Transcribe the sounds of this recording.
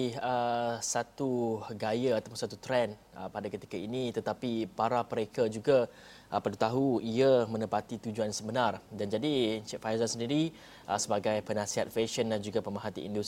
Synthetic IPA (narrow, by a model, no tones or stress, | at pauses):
iəsat̪uɡajəat̪apunsat̪ut̪ɾɛn | ə̰padakət̪i̥kainit̪ət̪apipaɾapəɾekad͡ʒuɡa | ʔəpadut̪aɦuiəmə̃nəpat̪it̪ud͡ʒuansəbənardand͡ʒadit͡ʃɛtfajzasəndiɾi | ʔəsəbaɡajpənãsiɦat̪̚feʃənand͡ʒuɡapəmaɦat̪ḭʔḭndus